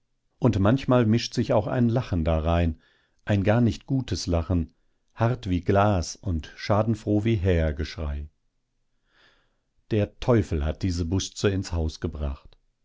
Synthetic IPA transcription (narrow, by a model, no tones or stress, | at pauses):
ʔʊntmançmaːlmɪʃtz̥ɪçaʊxa̰ɪnlaχn̩daʁaɪn | ʔaɪnɡaːɐnɪçtɡ̥uːtʰəslaχn̩ | haʁtv̥iːɡlaːsʊntʃaːdn̩fʁ̥oːviːɦɛːɐɡəʃʁ̥a̰ɪ | d̥eːɐtʰɔʏfl̩hat̚d̥iːzəbʊst͡səɪnshaʊsɡ̥əbʁa̰χt